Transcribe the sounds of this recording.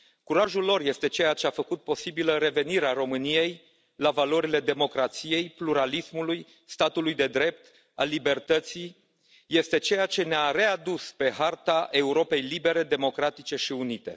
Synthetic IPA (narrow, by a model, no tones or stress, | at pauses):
kuɾaʒulːo̞rje̞st̪e̞t͡ʃe̞jat͡ʃe̞afəkut̪̚po̞sibiləɾe̞ve̞niɾeaɾo̞mɨnije̞j | lavalo̞ɾile̞d̪e̞mo̞kɾat̪sije̞jpluɾalismuluj | st̪at̪ulujd̪e̞d̪ɾe̞p̚t̪ | a̰libe̞rt̪ət̪si | je̞st̪e̞t͡ʃe̞jat͡ʃe̞neaɾe̞ad̪uspe̞ɦart̪aʔe̞uɾo̞pe̞jlibe̞ɾe̞d̪e̞mo̞kɾat̪it͡ʃe̞ʃiunit̪e̞̰